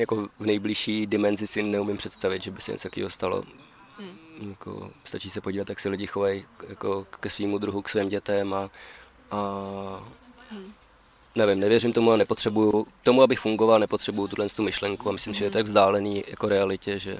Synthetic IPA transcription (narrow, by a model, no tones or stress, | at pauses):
jakovnɛjblɪʃiːdɪmɛnzɪsɪnɛumɪmpr̥ɛt̪st̪avɪd̪ʒɛbɪsɛ̰ɛ̰t͡sj̪akḭːɦost̪alo̰ | jakʰo̰st̪at͡ʃiːsɛpo̞ɟiːvat̪jaksɛlɪɟɪxovajjakokɛsviːmud̪ɾuɦuksviːmɟɛt̪ɛma | ʔa | nɛvɪmnɛvjɛrɪmt̪o̞muanɛpot̪r̝̥ɛbujut̪o̞muabɪxfuŋɡovalnɛpot̪r̝̥ɛbujut̪udlɛnst̪umɪʃlɛŋkuamɪslɪmsɪʒɛjɛt̪oaɡvzdaːlɛniːja̰koɾɛalɪcɛʒɛ̰